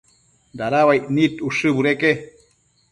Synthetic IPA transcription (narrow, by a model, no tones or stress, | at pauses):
d̪aɾawajʔnit̪uʂɨbuɾeke